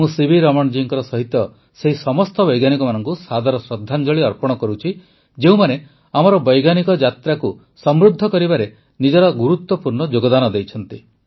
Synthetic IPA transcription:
mũsibʱiɾɔmɔɽd͡ʒiŋkɔɾɔsɔɦit̪ːɔ | seɦisɔmɔst̪ɔbɔjɡanikɔmanɔŋkusad̪ʱaɾɔsɾɔd̪ʱːand͡ʒɔɭiɔɾpɔɽ̃ɔkɔɾut͡ʃʰi | d͡ʒeũmane | amɔɾɔbɔjɡanikɔd͡ʒat̪ɾaku | sɔmɾud̪ʱːɔkɔɾibaɾe | nid͡ʒɔɾɔɡuɾut̪wɔpuɾɳɔd͡ʒoɡɔd̪anɔd̪ejt͡ʃʰɔnt̪i

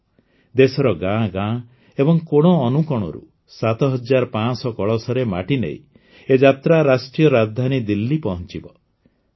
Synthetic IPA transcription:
d̪esɔɾɔɡãɡã | ebɔŋkoɽ̃ɔːnukɔɽ̃ɔ̰ɾṵ | sat̪ɔɦɔd͡ʒaɾɔpãsɔkɔɭɔsɔɾema̰ʈinḛḭ | ed͡ʒat̪ɾaɾasʈɾijɔɾad̪ʱanid̪ilːipɔɦɔnt͡ʃibɔ

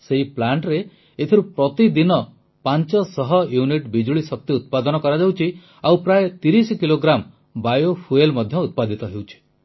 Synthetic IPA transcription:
seɦiplaɳʈɾe | et̪ʰiɾupɾɔt̪id̪inɔ | pant͡ʃɔsɔɦɔjuniʈbid͡ʒuɭisɔk̚t̪iut̪̚pad̪ɔnɔkɔɾad͡ʒawt͡ʃʰi | awpɾaet̪iɾiskiloɡɾam | bajofʰuelmɔd̪ʱjɔut̪̚pad̪ʱit̪ɔɦewt͡ʃʰi̥

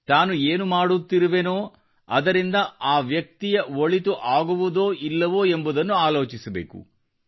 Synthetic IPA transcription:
t̪aːnueːnumaːɽut̪ːiɾuʋenoː | ɐ̰d̪ɐɾind̪ɐaːʋjɐk̚t̪ijɐʋoɭit̪uʔaːɡuʋud̪o̞ːʔilːɐʋoːembud̪ɐnːuaːlo̞ːt͡ʃisɐbeːkṵ

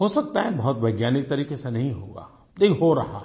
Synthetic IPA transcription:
ɦosɐk̚t̪aɦɛbɐɦʊt̪ʋɐɪɡjaːnɪk̚t̪ɐɾiːkesenɐɦĩɦoːɡa̰ː | d̪ekɦoɾɐɦa

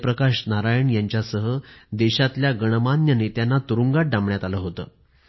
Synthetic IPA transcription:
pɾəkaɕnaɾajəɳjaɲt͡ɕjasəɦəd̪ɛɕat̪ljaɡəɽ̃əmanjənet̪janːat̪uɾuŋɡaʈ̚ɖãmɳjat̪aləɦot̪əː

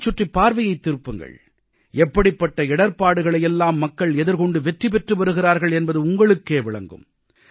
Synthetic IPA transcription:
t͡ʃːʊʈripːaːɾʋɐjɐɪt̪ːɪɾɯpːɯŋɡɐ̰ɭ | ɛpːɐɽɪpːɐʈːɐɪɽɐɾpaːɽɯɣɐɭɐjɛlːaːmːɐkːɐɭɛðɪɾkɔɳɖɯʋɛʈripɛʈrɯʋɐɾɯɣɪraːɾɣɐɭɛnbɐðɯʊŋɡɐɭɯkːeːʋɪɭɐ̰ŋɡɯ̰m

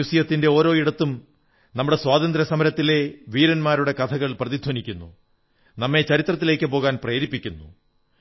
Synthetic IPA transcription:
usijɐt̪ːinde̞o̞ːɾo̞ːiɽɐt̪ːum | nɐmːuɽe̞swaːd̪ɐnd̪ɾɐsɐmɐɾɐt̪ːile̞ʋiːɾɐnmaːɾuɽe̞kɐt̪ʰɐɣɐɭprɐðid̪ʰʱwonikʲːunːṵ | nɐmːe̞t͡ɕɐɾit̪rɐt̪ːile̞ːkːɨpo̞ːɣaːnpreːɾipːikʲːunːu

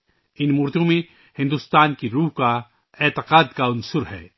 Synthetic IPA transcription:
ɪnmʊːɾd̪õmẽ | hɪ̃nd̪ʊst̪aːnkiɾuːɦka | ɛːt̪ɪqaːd̪kaʊnsʊɾɦɛ̰ː

